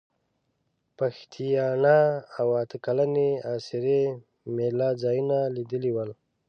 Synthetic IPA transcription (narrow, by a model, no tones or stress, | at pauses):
paxt̪ʰijɑnaːwat̪əkalaneasiɾe | melɑzɑjunalid̪əliwəl